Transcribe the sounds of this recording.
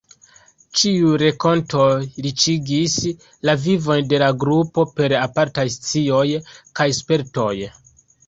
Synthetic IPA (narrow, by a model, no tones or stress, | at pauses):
t͡ʃiuɾe̞ko̞ntʰo̞ɾit͡ʃiɡis | lavivo̞jde̞laɡɾupo̞pe̞ɾapaɾtajst͡sio̞jkajspe̞ɾto̞j